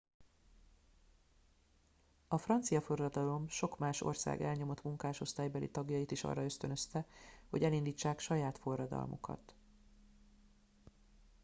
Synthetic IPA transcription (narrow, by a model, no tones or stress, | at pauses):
ɒfrɒnt̪sijɒfo̞rːɒd̪ɒlo̞mʃo̞kmaːʃo̞̰rsa̰ːɡɛlɲo̞mo̞t̪muŋkaːʃo̞st̪aːjbɛlḭt̪ɒɡjɒjit̪iʃɒ̰rːɒøst̪ønø̞st̪ɛho̞ɟɛlind̪iːt͡ʃːaːkʃɒjaːt̪fo̞rːɒd̪ɒ̰lmʔṵkɒ̰t̪